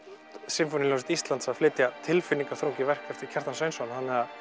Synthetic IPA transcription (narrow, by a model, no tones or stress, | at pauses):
sɪmfonɪljowsɪt̪ist̪lant̪saflɪt̪jat̪ʰɪlfɪnːiŋkḁθɾowɲcɪvɛr̥kɛft̪ɪɾ̥cʰɛr̥t̪ansœɥnsɔnhanːɛɣa